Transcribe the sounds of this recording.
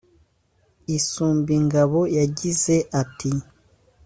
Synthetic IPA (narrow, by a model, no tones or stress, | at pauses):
isuːmbiŋɡaβo̞jaɟize̞ʔatʰi